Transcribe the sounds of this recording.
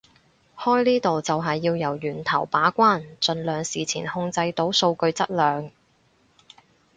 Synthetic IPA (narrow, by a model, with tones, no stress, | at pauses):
hɔː˥jliː˥t̪o˨wt͡sɐ˨wɦɐ˨jːiː˧wjɐ˨˩wjyː˨˩nt̪ʰɐ˨˩wpaː˨˥kʷaː˥nt͡ʃɵ˨˧nlœː˨ŋsiː˨t͡sʰiː˨˩nhʊ˧ŋt͡sɐ˧jt̪o˨˥wso˧wkɵ˧ɥt͡sɐ˥t̚lœː˨ŋ